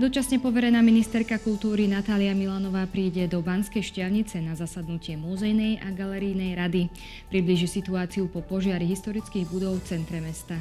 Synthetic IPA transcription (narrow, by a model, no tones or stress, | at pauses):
d̪ɔt͡ʃasɲɛpɔʋɛɾɛnaːminist̪ɛɾkakult̪uːɾinat̪aːliamilanɔʋaːpɾiːɟɛd̪ɔbanskɛjʃcɪalɲit͡sɛnazasad̪nucɪɛmuzɛjnɛjʔaɡalɛɾijnɛjɾad̪i | pɾibliʒisit̪uaːt͡siupɔpɔʒɪaɾiɦist̪ɔɾit͡skiːɣbud̪ɔʊft͡sɛnt̪ɾɛmɛst̪a